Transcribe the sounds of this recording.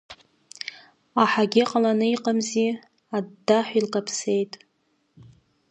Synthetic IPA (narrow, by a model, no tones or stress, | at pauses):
aħaɡʲɪqʼalanɨiqʼamzi | adːaħʷilkʼapʰse̞jtʼ